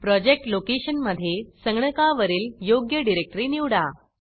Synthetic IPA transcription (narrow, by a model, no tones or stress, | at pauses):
pɾɔd͡ʑek̚ʈlokeɕənməd̪ʱːjesəŋɡɳəkaʋəɾiːljoɡjəɖiɾek̚ʈɾiːniwɽa